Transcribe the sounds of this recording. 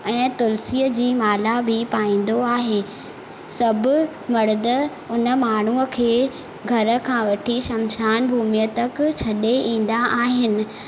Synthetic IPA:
ɛ̃ːt̪ʊlsiːəd͡ʑiːmaːlabʱɪpaːĩːn̆d̪oaːɦeː | sɐbʱɪ | mɐɽɪd̪ə | ʊnə̆maːɳ̤uəkʰeː | ɡʱɐɾə̆kʰãːʋɐʈʰiʃɐmɕaːnbʱuːmijət̪əkt͡ɕʰɐɗeʔĩːn̆d̪aʔaːɦɪnɪ̆

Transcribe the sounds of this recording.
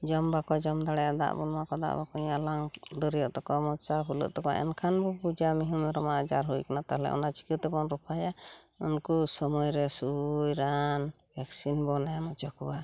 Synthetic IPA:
d͡ʒɔmbakɔd͡ʒɔmd̪aɽɛjad̪a̰ʔbɔnakɔd̪a̰ʔbakɔɲalaŋd̪ɔɾijɔʔt̪ɔkɔmɔt͡ʃaɦulə̰ʔt̪ɔkɔʔɛ̰nkʰanbɔpud͡ʒamiɦumɔɾɔmaʔd͡ʒaɾɦujkanat̪aɦlɛ̰ʔɔ̰nat͡ʃi̥kət̪ɛbɔnɾɔpʰaja | unkusɔmɔjɾɛsujɾan | bʱɛksinbɔnamɔt͡ʃɔkɔwa

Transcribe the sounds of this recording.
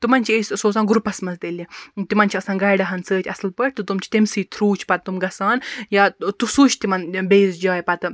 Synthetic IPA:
t̪umɐnʲt͡ʃʰiesʲsoːsaːnɡuɾpɐsmɐzt̪elit̪imɐnʲt͡ʃʰiɐsãːnɡɐːjɖɐɦɐnsəːt͡ʃʲʰɐslpɐʈ̚ʰʲt̪ɨt̪umt͡ʃʰi̥t̪emsiːt̪ʰɾuːt͡ʃʰpɐt̪̚ːumɡɐsaːnjat̪usuːt͡ʃʰt̪imɐnbeːzd͡ʒaːjpɐt̪ɨ

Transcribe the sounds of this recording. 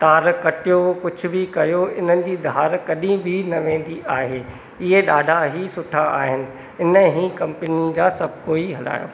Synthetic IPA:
t̪aːɾkɐʈijokʊd͡ʑʰʱʊ̆bʱɪkɐjoɪn̤ənɪ̆d͡ʑiːd̪ʱaːɾkɐɗĩbʱinɐʋẽːn̆d̪iʔaːɦeː | ɪɦeɗaːɖʱaɦisʊʈʰaaːɦɪnɪ̆ | ɪnə̆ɦĩːkɐ̃mpɪninɪ̆d͡ʑaːsɐbʱkoːiɦɐla̰ːjo̰ː

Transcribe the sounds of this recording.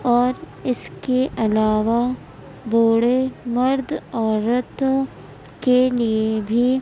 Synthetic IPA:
ɔːɾ | ɪskeʔɐlaːʋa | boːɽemɐɾd̪ʱɔːɾət̪ | keliebʱi

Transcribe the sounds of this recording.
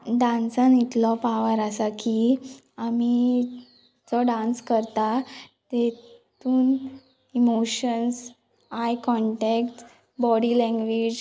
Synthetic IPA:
ɖãnsãnit̪lɔpaʋəɾasaki | ami | d͡zɔɖãnskəɾt̪at̪et̪uːn | imoɕəns | ajkɔɳʈekʈ | bɔɽilɛ̃ŋɡʋid͡ʑ

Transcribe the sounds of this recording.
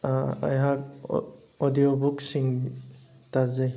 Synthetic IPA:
a̰jɦak̚ | odijobuk̚siŋ | tazaj

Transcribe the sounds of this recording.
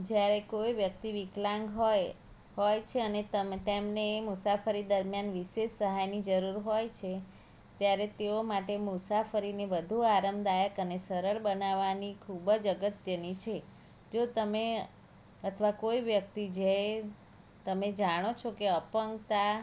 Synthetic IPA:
d͡ʒjaɾekojʋjək̚t̪iʋiklãŋɡɦɔj | ɦojt͡ʃʰeənet̪əmt̪emnemusafʰəɾid̪əɾmjanʋiʃeʃsəɦajnid͡ʒəɾuɾɦojt͡ʃʰe | t̪jaɾet̪eomaʈemusafəɾineʋəd̪ʱuaɾəmd̪ajəkənesəɾəɭbənaʋanikʰubəd͡ʒəɡət̪jənit͡ʃʰe | d͡ʒot̪əme | ət̪ʰʋakojʋjək̚t̪id͡ʒe | t̪əmed͡ʒaɽ̃ot͡ʃʰokeəpəŋɡt̪a

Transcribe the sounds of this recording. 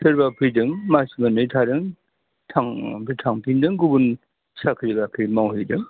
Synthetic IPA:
sʰɯɾbapʰɯjdɯŋmasimanɯtʰaɾɯŋ | tʰaŋbitʰaŋpʰindɯŋɡubun | sakʰɯɾibakʰɯɾmawɦɯdɯŋ

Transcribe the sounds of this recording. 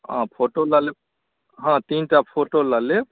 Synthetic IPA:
ã̰pʰoʈolale | ɦãt̪inʈapʰoʈolale

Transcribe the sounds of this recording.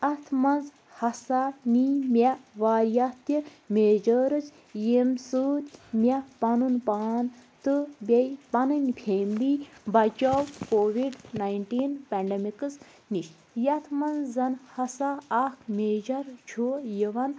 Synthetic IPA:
ɐt̪ʰmɐnz | hɐsanimʲɛʋaːɾjɐt̪i | meːd͡ʒəɾɨt͡ʃ | jemsɨːt̪ʲmʲɛpɐnunpaːnt̪ɨbʲɐjpɐnɨnʲpʰeːmlibɐt͡ʃɐwkoːʋiɖnajɳʈiːnpʲɛɳɖemikɨs | niʃ | jɐt̪ʰmɐnzːɐnhɐsaːkʰmeːd͡ʒɐɾt͡ʃʰojiʋɐn

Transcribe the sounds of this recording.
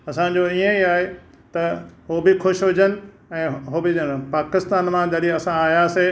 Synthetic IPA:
ɐsãd͡ʑoiẽiaːɦe | t̪ɐɦoːbɪxʊʃɦʊd͡ʑənɪ̆ | ɛ̃ːɦobɪpaːkɪst̪aːnmãd͡ʑɐɗiɐsãaːɦijase

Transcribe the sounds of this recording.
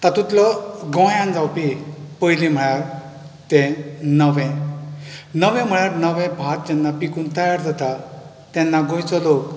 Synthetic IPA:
t̪at̪ut̪lɔɡɔ̃jãnd͡zawpipəjlim̤əɭjaɾ | t̪ẽnəʋɛ̃ | nəʋɛ̃m̤əɭjaɾnəʋɛ̃bʱat̪̚d͡ʑɛnːapikuːnt̪əjaɾd͡zat̪a | t̪ɛ̃nːaɡõjt͡sɔlok

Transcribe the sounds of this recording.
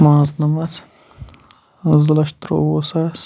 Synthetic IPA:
mãːznɐmɐt͡s | zlɐʃt̪ɾo̰oːsas

